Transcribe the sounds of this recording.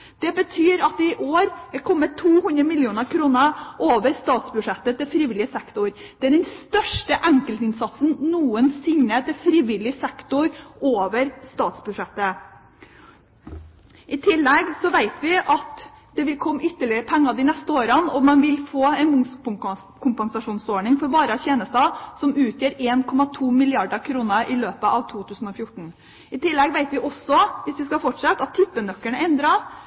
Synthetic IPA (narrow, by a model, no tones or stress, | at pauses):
d̪̥ɛbət̪ʰyːɾɑt̪̚ɪʔoːɾɛkʰɔmːət̪ʰːuːhʉnd̪ɾəmɪljuːnəɾkʰɾuːnəʔoːʋəɾst̪ɑːt̪sbʉʂɛt̪ːət̪ɪlfɾiːʋɪlɪəsɛkt̪ʊɾd̪̥ɛæɖɛnst̪œʂʈəʔæŋkəlt̪əɪnsɑt̪snnuːənsɪŋnət̪ʰɪfɾiːʋɪlɪəsɛkt̪ʊɾoːʋəɾst̪ɑːt̪sbʉd̪ʂɛt̪ːə | ʔɪt̪ʰɪlːɛɡsɔʋæɪt̪ʋɪʔɑt̪ | d̪̥ɛʋɪlkʰɔmːʏt̪ːəɭɪəɾəpʰɛŋːɑd̪ɪnɛst̪əoːɾənɔmːɑnʋɪlfoːɛɪnmʊ | kʰʊmpɛnsɑʂuːnsoːɳɪŋfɔɾbɑːɾəɑçeːnəst̪ɑːsɔmʉːt̪jøːɾeːnkʰɔmɑt̪ʰuːmɪlɪɑɖəkʰɾuːnəʔɪløːpəʔɑʋt̪ʰuːt̪ʰʉːsn̩ɔfjʊʈːɳ̩ | ɪt̪ʰɪlːɛɡʋæɪt̪ʋɪʔɔsɔʋɪsʋɪskɑfɔʈʂɛt̪ːɑt̪ʰːɪpːənœkːəɳəɛnd̪ɾɑ